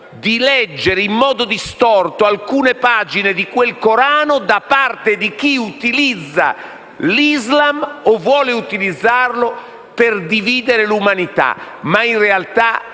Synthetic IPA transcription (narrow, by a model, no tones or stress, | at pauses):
d̪ilɛd͡ʒːeɾeimːɔːd̪od̪ist̪ɔrt̪oalkuːnepaːd͡ʒined̪ikwelkoɾaːnod̪apart̪ed̪ik̟iut̪ilid̪zːa̰ | lizlamovːwɔːleut̪ilid̪zːarlo | pɪrd̪iviːd̪eɾelumanit̪a̰ | mainrealt̪a